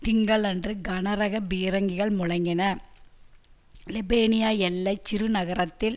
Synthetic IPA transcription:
t̪ɪŋɡɐɭɐndrɯɡɐnɐɾɐɣɐbiːɾɐŋɡɪɣɐɭmʊɻɐŋɡɪnɐ | lɪbeːnɪjaːɛlːɐɪt͡ʃːɪɾɯnɐɣɐɾɐt̪ːɪl

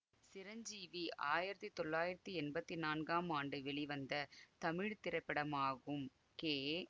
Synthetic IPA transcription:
sɪɾɐɲd͡ʒiːʋiʔaːjɪɾɐt̪ːit̪ːɔɭːaːjɪɾɐt̪ːiɛnbɐt̪ːinaːnɡaːmaːɳɖɯʋɛɭiʋɐnd̪ɐt̪ɐmɪɻt̪ɪɾɐɪpːɛɽɐmaːɣɯm | keː

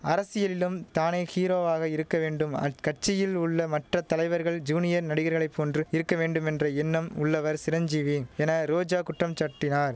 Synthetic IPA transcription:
ɐɾɐsɪjɐlɪlɯmt̪aːneːxiːɾoːʋaːɣɐɪɾɯkːɐʋeːɳɖɯmɐ̰kɐʈt͡ʃːɪjɪlʊɭːɐmɐʈrɐt̪ɐlɐɪʋɐɾɣɐɭd͡ʒuːnɪjɐɾnɐɽɪɣɐɾɣɐɭɐɪpːoːndrɯɪɾɯkːɐʋeːɳɖɯmɛndrɐɛnːɐmʊɭːɐʋɐɾsɪɾɐɲd͡ʒiːʋiɛnɐɾoːd͡ʒaːkʊʈrɐmt͡ʃɐʈːɪnaːɾ

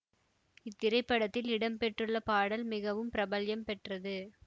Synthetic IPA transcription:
ɪt̪ːɪɾɐɪpːɐɽɐt̪ːɪlɪɽɐmpɛʈrɯɭːɐpaːɽɐlmɪɣɐʋɯmpɪɾɐbɐljɐmpɛʈrɐðɯ

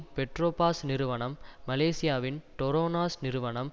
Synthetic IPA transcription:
pɛʈɾoːpaːsnɪɾɯʋɐɳɐmːɐleːsɪjaːʋɪnʈɔɾoːnaːsnɪɾɯʋɐɳɐm

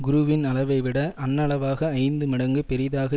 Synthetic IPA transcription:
ɡʊɾʊʋɪnɐɭɐʋɐɪʋɪɽɐʔɐnːɐɭɐʋaːɣɐːɪnd̪ɯmɪɽɐŋɡɯpɛɾɪðaːɣɐ

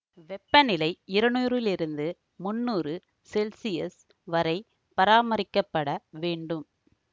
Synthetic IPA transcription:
ʋɛpːɐnɪlɐɪɪɾɐɳuːɾɪlɪɾɯnd̪ɯ | mʊnːuːɾɯ | sɛlsɪɛs | ʋɐɾɐɪ | pɐɾaːmɐɾɪkːɐpːɐɽɐʋeːɳɖɯm

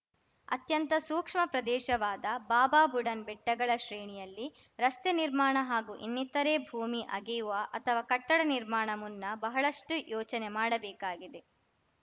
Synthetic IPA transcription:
ɐ̰t̪jɐnt̪ɐsuːkʂmɐpɾɐd̪ɛːʃɐʋaːd̪ɐbaːbaːbuɽɐnbɛʈːɐɡɐɭɐʃɾeːɳijɐlːi | ɾɐst̪eniɾmaːɳɐɦaːɡuːʔḭnːit̪ɐɾeːbʱuːmiʔɐ̰ɡɛjuʋɐʔɐt̪ʰɐʋaːkɐʈːɐɽɐniɾmaːɳɐmunːɐbɐɦɐɭɐʂʈujɔːt͡ʃɐnemaːɽɐbɛːkaːɡid̪e̞

